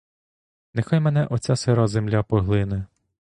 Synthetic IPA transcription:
nexajmɛnɛʔɔt͡sʲaseɾɑzemlʲapɔɦlˠɪnɛ

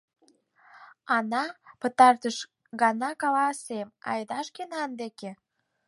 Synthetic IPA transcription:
ɑnɑpə̆t̪ɑrt̪əʃ | ɣɑnɑkɑlɑsemɑ̰jd̪ɑʃkenɑnd̪eke

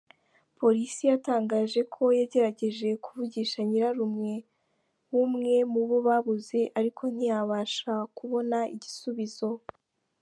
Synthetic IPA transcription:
po̞ɾisijataːŋɡaːʒe̞kʰo̞jaɟe̞ɾaɟe̞ʒe̞kuvuɟiːʃaɲiɾaɾumŋe̞ | wumŋe̞muβoβaβuze̞ʔaɾikʰo̞n̥ijaβaːʃakuβo̞naʔiɟisuβizo̞

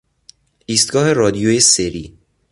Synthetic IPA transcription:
iːst̪̚ɡɒːɦe̞ɾɒːd̪ijojeseɾi

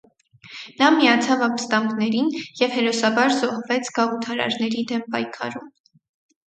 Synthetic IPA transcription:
nɑmiɑt͡sʰɑvɑmbəst̪ɑmɡnɛɾinjɛvhɛɾɔsɑbɑɾzɔhvɛt͡sʰɡɑʁut̪ʰɑɾɑ̰ɾnɛɾid̪ɛmpɑjkʰɑ̰ɾum

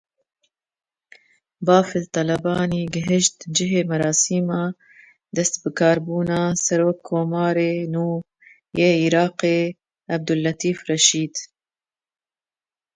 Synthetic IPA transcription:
bɑːfɨlt̪ɑlɐbɑːniːɡɪɦɪʃt̪d͡ʒɪɦeːmɐɾɑːsiːmɑː | d̪ɐst̪bɨkʰɑːɾbuːnɑːsɐɾoːkʰːoːmɑːɾeːnuː | jeːiːɾɑːqeː | ɐb̚d̪ʊlːɐt̪iːfrɛʃiːd̪

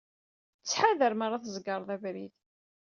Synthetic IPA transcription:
t͡sːħaðəɾmaɾˤːɑθzɡɑɾˤðˤævɾið

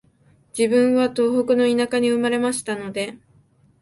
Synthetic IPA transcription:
d͡ʑibɯ̟̃ɰ̃βat̪o̞ːɦokɯ̟no̞inakaɲ̟iɯ̟maɾe̞maɕi̥t̪ano̞d̪e̞

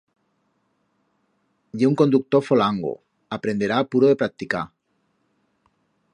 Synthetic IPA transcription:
ʝeuŋko̞nd̪uk̚t̪ofolaŋɡo̰ | apɾend̪e̞ɾaːpuɾoðe̞pɾak̚t̪ika

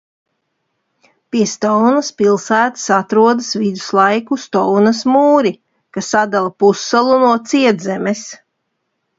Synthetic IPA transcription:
piɛst̪ɔwnaspilˠsæːt̪ḁsat̪ɾuɔd̪ɨsvid̪u̥slˠajkust̪ɔwnɐsmuːɾi | kasːad̪alˠapusːalˠunuɔt̪siɛd̪zɛmɛs

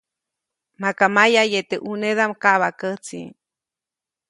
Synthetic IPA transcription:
makamajajet̪eʔuneðamkaʔβakət͡sḭ

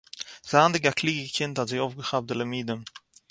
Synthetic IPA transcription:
z̥aːndɪɡakʰliɡɡəkʰɪntatzeɪofɡəχap̚dələmiːdəm

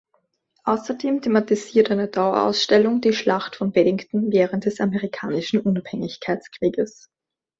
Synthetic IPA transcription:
ʔaʊsɐdeːmtʰematiziːɐtaɪnɛəɐd̥aʊɐʔa̰ʊsʃtɛlʊŋdiːʃlaxtfɔnbɛdɪŋktn̩vɛːʁəntd̥ɛsamɛʁikʰaːnɪʃn̩ʔʊnaphɛŋɪçkʰaɪt͡skʁ̥iːɡəs

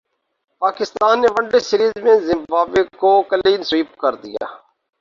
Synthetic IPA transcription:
paːkɪst̪aːnːeʋə̃ɳɖesɪɾiːzmẽzɪmbaːbekoːkəliːnsʋiːp̚kəɾd̪ɪja̰ː

